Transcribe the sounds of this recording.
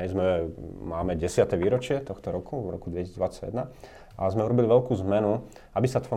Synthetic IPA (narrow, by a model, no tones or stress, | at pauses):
ɛjzmɛmaːmɛɟɛsɪat̪ɛʋiːɾɔt͡ʃɪɛt̪ɔxt̪ɔɾɔkuʋɾɔ̰kud̪ʋɛcisiːd͡zd̪ʋat͡sːaɟjɛd̪na | azmɛuɾɔbiliʋɛlkuːzmɛnu | abisat̪ʋɔ